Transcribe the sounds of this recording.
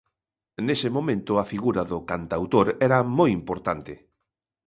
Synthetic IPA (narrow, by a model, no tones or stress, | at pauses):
nesɪmomẽnt̪ʊɐfiɣuɾɐðʊkant̪awt̪oɾɛɾɐmojimpoɾt̪ant̪ɪ